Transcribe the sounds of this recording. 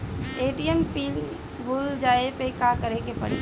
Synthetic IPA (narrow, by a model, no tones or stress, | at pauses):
eːʈiempiːl | buːld͡ʒaːepekakɐɾekepɐ̰ɽ̤i